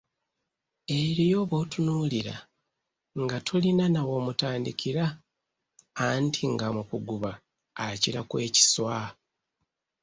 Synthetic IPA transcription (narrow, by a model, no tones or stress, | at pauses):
e̞ɾjjo̞βotunuːliɾa̰ | ŋɡatʰolinanawo̞mutaːndikʰiɾa | ntʰiŋɡamukuɡuβaː | ciɾakwe̞ːci̥swa